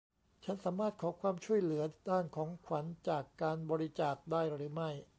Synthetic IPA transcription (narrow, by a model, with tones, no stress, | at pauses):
t͡ɕʰa˦˥nsaː˩˦maː˥˩t̪̚kʰɔː˩˦kʰwaː˧mt͡ɕʰu˥˩əjlɯ˩˦ɐdaː˥˩nkʰɔː˩˦ŋkʰwa˩˦nt͡ɕaː˨˩kːaː˧nbɔː˧ɾi˦˥t͡ɕaː˨˩k̚daː˥˩jɾɯː˩˦ma˥˩j